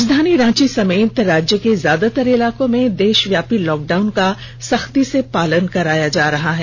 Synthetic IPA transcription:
d͡ʒd̪ʱaːniɾãːt͡ʃisɐmeːt̪ɾaːd͡ʒjəkezjaːd̪at̪əɾɪlaːkõmẽd̪eːʃʋjaːpilɔːk̚ɖaːʊnka | sɐxt̪isepaːlənkɐɾaːjad͡ʒaːɾɐɦaɦɛː

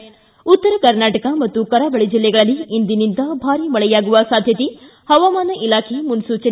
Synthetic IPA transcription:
ut̪ːɐɾɐkɐɾnaːʈɐkɐmɐt̪ːukɐɾaːbɐɭid͡ʒilːɛɡɐɭɐlːiːnd̪inind̪ɐbʱaːɾimɐɭɛjaːɡuʋɐsaːd̪ʱjɐt̪i | hɐʋaːmaːnɐʔilaːkʰemunsuːt͡ʃɐ

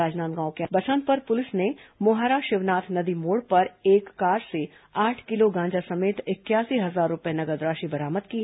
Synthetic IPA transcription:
aːd͡ʒnaːmɡãːõkebɐsə̃n̚pɐɾpʊlɪsnemʊɦaːɾaːʃɪʋnaːt̪ʰnɐd̪imoːɽpɐɾeːkːaːɾse | aːʈʰkɪloɡãːd͡ʒasɐmeːt̪ɪkjaːsiɦɐzaːɾːʊpjenɐɡəd̪ɾaːʃibɐɾaːməd̪ki

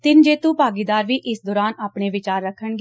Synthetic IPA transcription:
t̪ɪnd͡ʒeːt̪ũːpaːɡiːd̪aːɾʋiːʔɪsd̪ɔːɾaːnaːpɳeːʋɪt͡ʃaːɾːəkʰːəɳɡeː

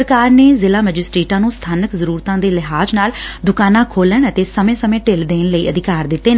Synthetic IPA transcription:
ɾkaːɾneːzɪlaːməd͡ʒɪsʈɾeːʈãːnũːst̪ʰaːnəkzəɾuːɾt̪ãːd̪eːlɪɦaːd͡ʒnaːld̪ʊkaːnãːkʰoːləɳət̪eːsəmẽːsəmẽːʈeːld̪eːnləiːəd̪ɪkaːɾd̪ɪt̪ːeːn

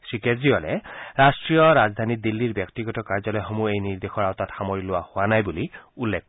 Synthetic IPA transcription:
sɹikeziɔlɛ̰ɹastɹijɔɹazd̪ʱanid̪ilːiɹbjɔk̚tiɡɔtɔkaɹzɔlɔjxomuejniɹd̪exɔɹawt̪atxamɔɹilʊwahowanajbuliulːek̚

